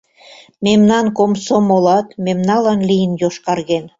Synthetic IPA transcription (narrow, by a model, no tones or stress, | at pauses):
memnɑnkomsomolɑt̪memnɑlɑnlijənjoʃkɑrɣen